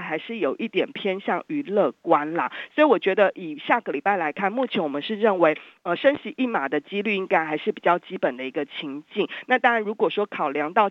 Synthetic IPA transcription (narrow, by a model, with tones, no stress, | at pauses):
xa˧˥ɪʂɻ̩˥˩jo˨˩ʊʔi˥˩t̪jɛ˨˩npʰjɛ˥nɕjɑ˥˩ŋy˧˥lɤ˥˩kwa˦˥nlə̰˨swɔ˧˥i˨wɔ˨˩t͡ɕɥɛ˧˥d̪ə˧ʔi˨˩ɕja˥˩ɡə˨˩li˨˩pa˥˩ɪla˧˥ɪkʰa˥˩˧nmu˥˩t͡ɕʰjɛ˧˥nwɔ˨˩mə˦nʂɻ̩˥˧ɻə˥˩nwe˧˦ɪ | ə˧˩ʂə˥nɕi˧˥ʔi˥˩ma˨˩d̪ə˦t͡ɕi˥ly˥˩i˥ŋka˥ɪxa˧˥ɪʂɻ̩˥˩pi˨˩t͡ɕjɑ˥˩ʊt͡ɕi˦˥pə˨˩nd̪ə˦i˧˥ɡə˧t͡ɕʰi˧˥ŋt͡ɕi˥˨˩ŋna˥˩t̪ɑ˥ŋɻa˧˦nɻu˧˥kwɔ˨˩ʂwɔ˥kʰɑ˨˩ʊljɑ˧˥ŋt̪ɑ˥˩ʊ